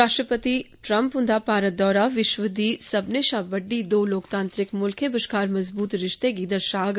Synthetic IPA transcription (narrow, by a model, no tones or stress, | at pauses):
aːʃʈɾəpət̪iʈɾɐ̃mpɦʊ̃nd̪apaːɾət̪̚d̪ɔːɾaʋɪʃʋəd̪isɐbneʃãbɐɖid̪oːloːkt̪ãːnt̪ɾɪkmʊlkʰẽbəʃkaːɾmɐzbuːt̪ɾɪʃt̪eɡiːd̪əɾʃaːɡ